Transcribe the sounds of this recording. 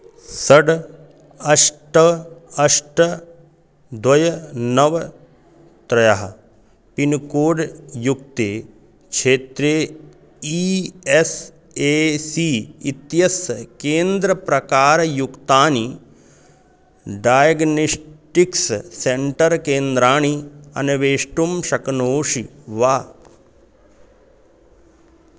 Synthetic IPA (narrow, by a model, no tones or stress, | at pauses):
sɐɖ | ɐʂʈɐɐʂʈɐ | d̪wɐjɐnɐʋ | t̪ɾɐjɐɦɐ̰ | pinkoːɖjuk̚t̪eː | kʃʰeːt̪ɾeː | ies | eːsiːt̪jɐskeːnd̪ɾɐpɾɐkaːɾɐjukt̪aːni | ɖaːjɐɡnisʈiksseɳʈɐɾkeːnd̪ɾaːɳ̃iɐ̰nɐʋeːʂʈumʃɐknoːʂiʋaː